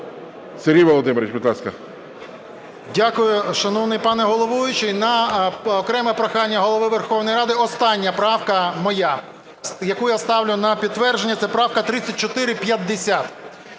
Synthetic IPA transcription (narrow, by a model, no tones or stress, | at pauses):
seɾʲijʋɔlˠɔd̪ɪmeɾʲɪt͡ʃbʲid̪lˠɑskɐ̰ | dʲakʊjʊʃɐnɔwnɪjpɑnɛɦɔlˠɔʋujʊt͡ʃɪnɐɔkɾɛmɛpɾɐxɑnʲːɐɦɔlˠɔʋɪʋerxɔwnɔjɾɑd̪ɪɔst̪ɑnʲːɐpɾɑwkɐmɔja | jɐkujast̪ɑwlʲʊnɐpʲid̪t̪ːʋɛrʒenʲːɐt̪sɛpɾɑwkɐt̪ɾɪt͡sʲːɐt̚ʲt͡ʃɔt̪ɪɾɪpʲjɐd̪ːesʲat̪